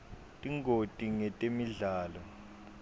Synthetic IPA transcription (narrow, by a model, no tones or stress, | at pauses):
tʼiŋɡʱotʼiŋɛtʼemiɮaːlɔ